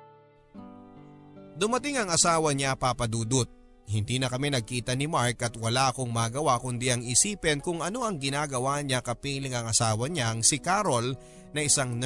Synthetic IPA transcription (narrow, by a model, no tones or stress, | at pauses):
d̪ʊmɐt̪ɪŋɐŋɐsaːwɐɲapapɐd̪uːd̪ʊt̪̚ | hɪnd̪iːnɐkɐmɛnɐɡ̚kiːt̪ɐnɪmaɹkɐt̪̚wɐlaʔɐko̞ŋmaɡɐwakʊnd̪iʔɐŋɪsiːpɛnkʊŋʔɐno̞ʔɐŋɡɪnaːɡɐwaɲakɐpiːlɪŋɐŋɐsaːwɐɲaŋsɪkaɾol | nɐʔɪsaŋn